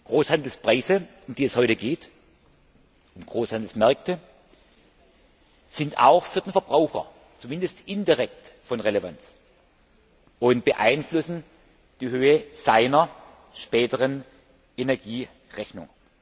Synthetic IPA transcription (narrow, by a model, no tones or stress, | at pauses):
ɡ̥ʁoːshandl̩spʁ̥aɪzə | ʊmdiːɛshɔʏtəɡeːt | ʊmɡ̥ʁoːshandl̩smɛɐk̚tʰə | z̥ɪnta̰ʊxfyːɐdenfɛɐb̥ʁaʊxɐ̰ | t͡sumɪndəstʔɪndɪʁɛk̚tfɔnʁelevant͡s | ʊntb̥əʔa̰ɪnflʊsn̩ | d̥iːhøːəz̥aɪnɐ | ʃpɛːtəʁən | ʔenɛɐɡiː | ʁɛçnʊ̰ŋ